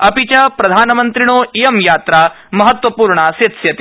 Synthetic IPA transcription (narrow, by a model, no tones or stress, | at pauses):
ɐpit͡ɕapɾɐd̪ʱaːnɐmɐnt̪ɾiɳ̃oijɐmjaːt̪ɾa | mɐɦɐt̪wʋɐpuːɾɳaset̪sjɐt̪